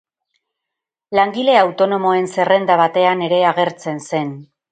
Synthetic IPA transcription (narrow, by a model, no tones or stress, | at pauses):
laŋɡile̞awt̪o̞no̞mo̞e̞nse̞re̞nd̪aβat̪e̞ane̞ɾe̞aɣ̞e̞ɾt͡se̞nse̞n